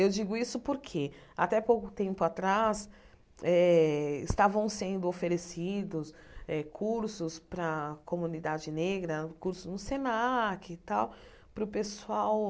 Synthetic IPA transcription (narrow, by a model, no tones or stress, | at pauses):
ewd͡ʒiɡʊisʊpoɾkʰe | a̰t̪ɛpowkʊt̪ẽmpʊat̪ɾas | ɛɪ̰st̪avɐ̃w̃sẽnd̪ʊofeɾesid̪ʊs | ɛkʰuɾsʊspɾɐkomũnid̪ad͡ʒɪneɡɾɐkuɾsʊznʊsenakɪt̪aw | pɾʊpesuaw